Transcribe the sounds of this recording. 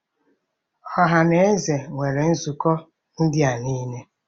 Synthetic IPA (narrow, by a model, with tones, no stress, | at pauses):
ɔ˦ɦa˨ne˦e˦ze˨ŋʷe˨ɾe˨n̩˦zu˨kɔ˦ | n̩˦dɪ˦a˨niː˦ne˦